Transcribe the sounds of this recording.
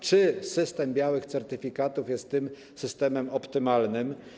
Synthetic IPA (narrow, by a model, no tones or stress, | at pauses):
t͡ʂɘsɘst̪ɛmbʲjawɘxt̪sɛɾt̪ɘfʲikat̪ufjɛst̪ːɘm | sɘst̪ɛmɛmɔpt̪ɘmalnɘm